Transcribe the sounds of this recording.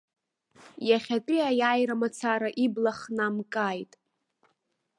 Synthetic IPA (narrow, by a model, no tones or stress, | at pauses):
jaχʲatʼiajajɾamat͡sʰaɾaʔiblaχnamkʼajtʼ